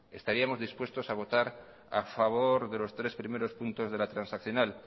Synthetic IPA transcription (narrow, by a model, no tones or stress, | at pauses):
e̞st̪aɾiamo̞zðispwe̞st̪o̞saβ̞o̞t̪aɾ | a̰faβ̞oɾðe̞lo̞st̪ɾe̞spɾimeɾo̞spunt̪o̞zð̞e̞lat̪ɾansakθjo̞nal